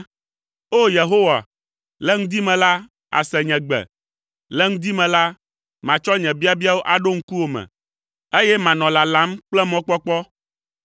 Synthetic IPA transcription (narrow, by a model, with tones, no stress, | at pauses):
o˦je˨ɦo˦wa̰˨ | lɛ˦ŋũ˦d̪i˦mɛ̃˨la˦ | a̰˨sɛ˨ɲɛ̃˨ɡ͡bɛ̰˨ | lɛ˦ŋ̩ũ˦d̪i˦mɛ̃˨la˦ | mã˨t͡ʃɔ˦ɲɛ̃˨bi˦a˦bi˦a˦wo˦ʔa˨ɖo˦ŋ̩˦ku˦wo˨mɛ̰̃˨ | e˦jɛ˦mã˨nɔ̃˨la˨lã˦mk͡plɛ˦mɔ̃˦k͡pɔ˦k͡pɔ˦